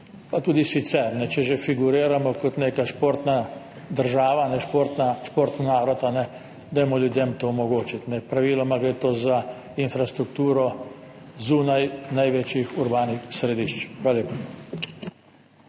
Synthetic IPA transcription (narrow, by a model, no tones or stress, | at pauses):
pat̪uːd̪isit̪sɛɾnɛt͡ʃɛʒefiɡuɾiːɾamɔkɔt̪neːkaʃpoːɾt̪na | d̪əɾʒaːʋanɛʃpoːɾt̪naʃpoːɾt̪nnaːɾɔt̪anɛ | d̪ajɛmɔljud̪jemt̪omɔɡoːt͡ʃit̪nɛpɾaʋiːlɔmaɡɾeːt̪oːza | infɾast̪ɾukt̪uːɾɔ | zuːnajnajʋet͡ʃjixuɾbaːnixsɾed̪iʃt͡ʃxʋaːlaleːpa